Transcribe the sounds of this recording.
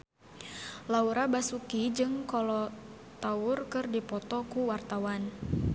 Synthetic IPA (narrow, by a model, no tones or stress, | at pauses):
lauɾabasukid͡ʒɨŋkɔlɔ | t̪aʊrkɨrdipɔt̪ɔkuwart̪awan